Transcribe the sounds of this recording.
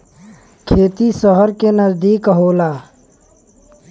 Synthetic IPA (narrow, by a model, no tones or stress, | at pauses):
kʰeːt̪isəɦəɾkenəzd̪iːkɦoːlaː